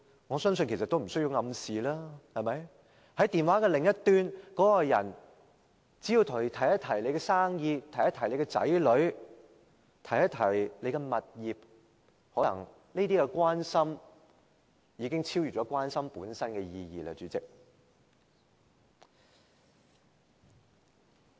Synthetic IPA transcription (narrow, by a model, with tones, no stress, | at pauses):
ŋɔ˨˧sœː˥ŋs̬ɵ˧nkʰe˨˩sɐ˨t̪wm̩˨˩sɵ˥ɥji˧wŋɐ˨˧msiː˨laː˥hɐ˨mɐ˨˥j | hɐ˨˥jt̪iː˨nwaː˨˥kɛː˧lɪ˨˩ŋjɐ˥t̪yː˧nkɔː˨˥kɔ˧jɐ̰˨˩n | t͡si˨˥jiː˧wt̪ʰʊ˨˩˨t̪ʰɐ˨˩jɐ˥t̪ʰɐ˨˩jle˨˧jkɛ˧saː˥ŋjiː˧t̪ʰɐ˨˩jɐ˥t̪ʰɐ˨˩jle˨˧jkɛ˧t͡sɐ̰˨˥jlɵ˨˧˥ɥ | t̪ʰɐ˨˩jɐ˥t̪ʰɐ˨˩jle˨˧jkɛ˧mɐ˨t̚jiː˨p̚ | hɔː˨˥ɐ˨˩ŋ | niː˥t̪iː˥kɛ˧kwaː˥nsɐ˥m | jiː˨˧kɪ˥ŋt͡sʰiː˥wjyː˨˩t͡ʃɔː˨˥kʷwaː˥nsɐ˥mpuː˨˥nsɐ˥nkɛ˧jiː˧jiː˨˧la̰ː˧t͡ʃyː˨˥t͡sɪ˨k̚